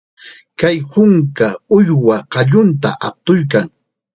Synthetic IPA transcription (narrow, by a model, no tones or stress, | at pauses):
kajhʊŋkaʊjwaqɑʎʊnt̪̬a̰ʔap̚t̪ʊjk̬aŋ